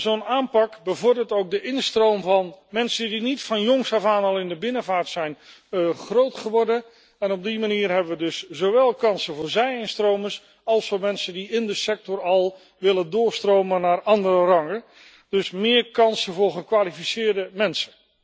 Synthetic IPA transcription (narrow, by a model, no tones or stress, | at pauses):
zonaːmpɑkbəvɔɹdəɹtowk̚dəʔɪnstrowmvɑnmɛnsəndinitfɑnjoŋsɑvaːnɑlˠɪndəbɪnəvaːɹtsɛjn | χrowtχəʋɔɹdən | ɛnɔb̚dimaniːɹɦɛbəʋədɵszowʋɛlˠkɑnsəvʊːɹzɛjɪnstrowməs | ɑlˠsfʊːɹmɛnsəndiɪndəsɛk̚tɔrɑlˠ | ʋɪləndʊːɹstrowmənːaːrɑndərərɑŋə | d̥ɵsmɪːɹkɑnsənvʊːɹχəkʋaːlifisɪːɹdəmɛnsən